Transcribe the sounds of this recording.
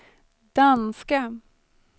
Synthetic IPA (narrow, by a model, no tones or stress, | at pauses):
d̪̥anska